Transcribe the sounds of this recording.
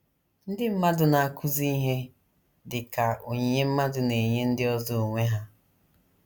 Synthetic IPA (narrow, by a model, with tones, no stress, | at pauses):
n̩˦dɪ˦m̩˦ma˦dʊ˨na˨a˦˨kʰʊ˦zi˦i˦ɦe˦ | dɪ˨ka˨o˨ɲe˨ɲe˦m̩˦ma˦dʊ˨ne˨ɲe˦n̩˦dɪ˦ɔ˦zɔ˦o˨ŋʷe˦ɦa˦